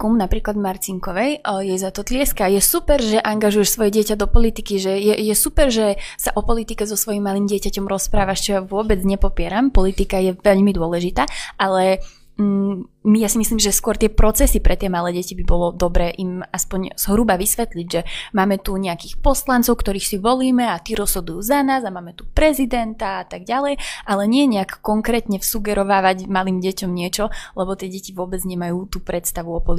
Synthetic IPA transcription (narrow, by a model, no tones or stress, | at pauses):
kumnapɾiːklad̪maɾt͡siŋkɔʋɛjjɛzat̪ɔt̪lɪɛskajɛsupɛɾʒɛʔaŋɡaʒujɛʃsʋɔjɛɟɪɛcad̪ɔpɔlit̪ikiʒɛjɛjɛsupɛɾʒɛsaʔɔpɔlit̪ikɛzɔsʋɔjimːalimɟɪɛcacɔmɾɔspɾaːʋaʃt͡ʃɔjaʋʊɔbɛd͡zɲɛpɔpɪɛɾampɔlit̪ikajɛʋɛʎmid̪ʊɔlɛʒit̪aːʔalɛ | mijasimisliːmʒɛskʊɔɾt̪ɪɛpɾɔt͡sɛsipɾɛt̪ɪɛmalɛːɟɛcibibɔlɔd̪ɔbɾɛːʔimaspɔɲz̥ɦɾuːbaʋisʋɛt̪liɟʒɛmaːmɛt̪uɲɛakiːxpɔslant͡sɔʊkt̪ɔɾiːxsiʋɔliːmɛat̪iːɾɔz̥ɦɔd̪ujuːzanaːzamaːmɛt̪u̥pɾɛzid̪ɛnt̪aat̪aɡɟalɛjʔalɛɲɪɛɲɛakːɔŋkɾɛːt̪ɲɛfsuɡɛɾɔʋaːʋaɟmalimɟɛcɔmɲɪɛt͡ʃɔlɛbɔt̪ɪɛɟɛciʋʊɔbɛd͡zɲɛmajuːt̪uːpɾɛt̪st̪aʋuɔpɔli